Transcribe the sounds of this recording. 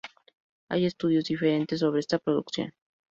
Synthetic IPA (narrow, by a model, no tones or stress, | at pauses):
a̰je̞st̪uðjozd̪ifeɾe̞nt̪es̬ːo̞β̞ɾeest̪apɾoðuksjo̰n